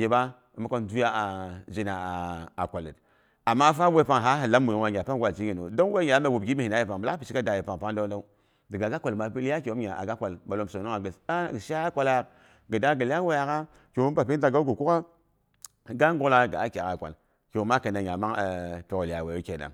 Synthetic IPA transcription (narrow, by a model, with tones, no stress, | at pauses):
ji˨ba˦ | i˨mu˦ko˦ndu˦a˦˨d͡ʒi˦na˨a˨kʷa˨li˨t | a˨mːa˦fa˦we˦pa˦ŋɦa˦ɦi˨la˦mu˨jo˨ŋwa˨ɲʲ˨a˨pa˦ŋ˦ɡʷa˨t͡ʃi˦ɡi˨no̰˨do˦ŋ˦we˦ɲa˨˦me˨wu˨b̚ɡi˦mi˦˨i˨na˦ji˨pa˨ŋbə˨la˦pi˨t͡ʃi˦ka˦da˨ji˨pa˨ŋ˨pa˦da˦da˦u˦ | də˨ɡa˨ɡa˦kʷa˨lma˨pi˦lja˦ke˨o˦m˦ɲa˨a̰˨ɡa˦kʷa˨lma˨lo˦mso˨no˦ŋa˨ɡə˨sa˦˨ə˨ʃa˦kʷa˦la˦˨ | ɡə˨da˦ɡə˨la˦we˦ja˨ka˦ | ke˨˦u˦mba˨pi˦da˨ɡa˦ɡu˨ku˦ka˦˨ | ɡa˦ŋɡo˦la˦˨ɡa̰˨a˦kʲa˨ka˨kʷa̰˨l | ke˨˦ma˦kə˨na˨ɲʲ˨a˨ma˦ŋ˨pe˨ko˨la˨we˨ju˦ke˨da̰˨